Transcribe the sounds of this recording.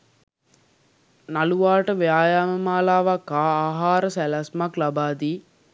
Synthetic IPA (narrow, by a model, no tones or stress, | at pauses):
naluʋaːʈəʋejaːjaːməmaːlaːʋakːaːaːɦaːɾəsælasmaklabaːd̪iː